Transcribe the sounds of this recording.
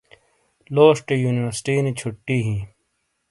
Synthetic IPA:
loːʂʈejuːniʋəɾsʈiːnet͡ɕʰʊʈːiːɦĩː

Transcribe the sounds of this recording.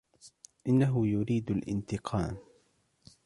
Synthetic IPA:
ʔɪnːaɦʊjʊɾiːd̪alʔɪ̰nt̪ɪqʰɑːm

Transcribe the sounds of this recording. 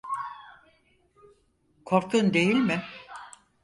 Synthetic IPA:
kʰoɾkʰund̪e̞jilʲmɪ

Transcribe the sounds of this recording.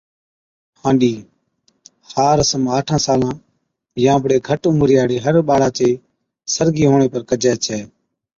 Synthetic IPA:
hãːnɗiː | haːɾəsəmaːʈʰãːsaːlãː | jãːəbɽeːɡʱəʈʊmɾjaːɽeːɦəɾɓaːɽãːt͡ʃeː | səɾɡiːɦoːɳ̃eːpəɾkəd͡ʒɛːt͡ʃʰɛː

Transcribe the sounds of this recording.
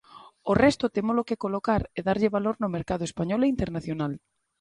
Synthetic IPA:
orɛst̪ʊt̪emolokekolokaɾeðaɾʎɪβaloɾnʊmeɾkaðoespaɲɔleint̪eɾnaθjonal

